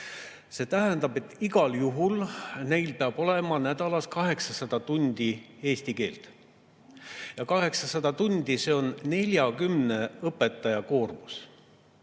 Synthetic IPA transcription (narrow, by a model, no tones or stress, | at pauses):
se̞ːt̪æɦend̪ɑbe̞t̪ːˑiɡɑljuɦulne̞jlpeɑb̥o̞le̞mɑnæd̪̥ɑlɑskɑɦe̞ksɑsɑd̪̥ɑt̪unʲd̪̥i | e̞ːst̪ike̞̰ːlt̪ | jɑkɑɦe̞ksɑsɑd̪̥ɑt̪unʲd̪̥ise̞ːo̞nːe̞lʲjɑkymne̞ɤpːˑe̞t̪ːˑɑjɑko̞ːrmus